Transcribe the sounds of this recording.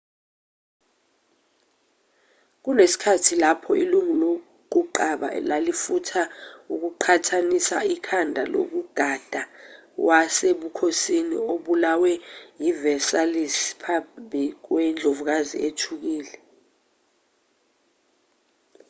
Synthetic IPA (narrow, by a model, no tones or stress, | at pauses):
k̬unesi̥kʰatʰilapʰɔʔiluŋulo | k̬uǃaɓa̰lalifutʰauk̬uǃʰatʰanisaikʰandʱalo̰k̬uɡ̥ʱad̥ʱawʔaseɓukʰosinḭoɓulawɛjivɛsalispʰambʱik̬wɛnd͡ɮʱovuk̬azḭʔetʰuk̬iːlɛ